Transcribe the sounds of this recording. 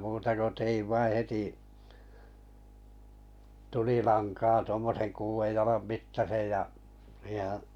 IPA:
muːtɑ ko teiʋ ʋɑi heti tulilɑnkɑː tŭomːosen kuːʋej jɑlɑm mitːɑsej jɑ siːhe̥hæ̥

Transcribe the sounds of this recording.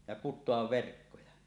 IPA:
jɑ kutˑoɑʋ ʋerkːojɑ

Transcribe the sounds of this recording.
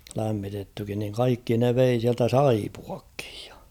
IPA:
læmːitetːykin niŋ kɑikːi ne ʋei siæltæ sɑipuɑkːi̥j̊ j̊ɑ̥

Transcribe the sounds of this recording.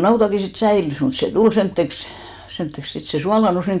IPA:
nɑutɑki sit sæilys mut se tul semtːeks semtːeks sit se suɑlɑˑnus niŋ

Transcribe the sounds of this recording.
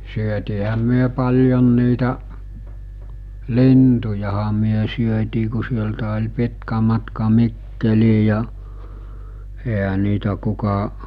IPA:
syøtiːhæm̆ myø pɑljon niːtæ lintujɑhɑ myø syøtiː ku sieltæ olʲ pitkæ mɑtkɑ mikːeliː jɑ eɦæ niːtæ kukɑ

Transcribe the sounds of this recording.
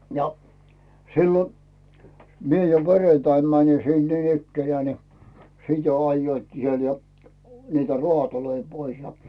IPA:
jɑ silːo mie jo perentɑim mæni sin niːnikːenĕæː ni sit jo ɑjːoitkiː siel jɑ niːtæ rŭɑˑtoloi pois jɑ

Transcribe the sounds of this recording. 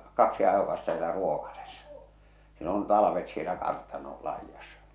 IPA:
kɑksi ɑjokɑstɑ sielæ ruoˑkɑsesːɑ siel on tɑlɑʋet sielæ kɑrtɑnol lɑijɑsːɑ̥

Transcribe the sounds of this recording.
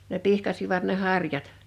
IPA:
ne pihkɑsiʋɑt ne hɑrjɑt

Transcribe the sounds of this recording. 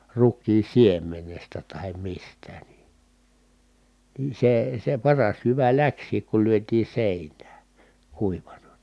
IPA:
rukˑiːn̞ siemˑenestæ tɑhem mistæ ni niː seː se pɑrɑs jyʋæ læksˑiːk kul lyøtiː seˑinæː kuiʋɑnɑ n̥i̥

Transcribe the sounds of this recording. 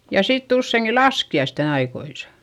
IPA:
jɑ sitː usːeiŋki lɑskiɑisten ɑikoisɑ

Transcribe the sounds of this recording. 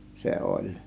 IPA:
se olʲ

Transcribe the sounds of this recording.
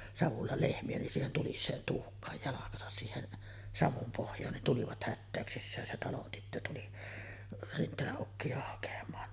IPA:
sɑʋulːɑ lehmiæ nin siːhen tulisˑeːn tuhkˑɑːj jɑlɑkɑsɑs siːhen sɑʋum pohjˑɑːn nin tuliʋɑt hætːæˑøksisːæːn se tɑlon tytːø tuli rintˑeːlæʔ ʔukːiɑ hɑkɑmˑɑːn

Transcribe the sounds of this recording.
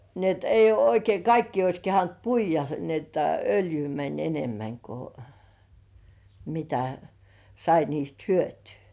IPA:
ni et eijˑ uo oikei kɑikːiː ois kehɑnt puijˑɑ ni etːæ øljyː mænʲ enemːæŋ ko mitæ sɑi niːst hyøtyː

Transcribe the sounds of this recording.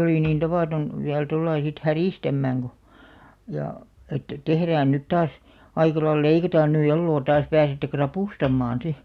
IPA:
oliˑ niːn tɑʋɑːton ʋiæl tolːɑi sit hæriˑstæmːæːŋ ɡ̊o jɑˑ etːæ tehræːn nyt tɑːs ɑikɑ lɑil leikɑtɑːn ny elːoː tɑːs pæːsetːe krɑpuˑstɑmːɑːn̞ si

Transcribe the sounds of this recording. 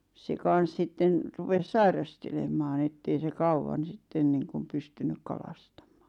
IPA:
se kɑn̞s sitːen rupes sɑirɑstelemɑːn̆ etːei se kɑuwɑn̞ sitːen niːŋkum pystynyk kɑlɑstɑmˑɑ̥ː

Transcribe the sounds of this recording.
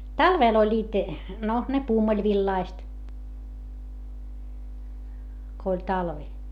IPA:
tɑlʋeˑl olʲːiːt no ne puːmulʲʋilːɑist ko olʲ tɑlʋi

